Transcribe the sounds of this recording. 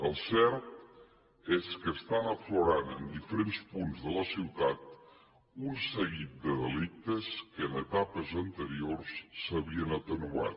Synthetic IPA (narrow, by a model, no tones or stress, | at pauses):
əlˠsɛɾt̪ | eskəːst̪anəfloɾanə̰nd̪ifəɾenspunzðələsiwt̪at̪̚ | unsəɣit̪̚d̪əðəlik̚t̪əskəːnət̪apəzənt̪əɾiorsːəβiənət̪ənua̰t̪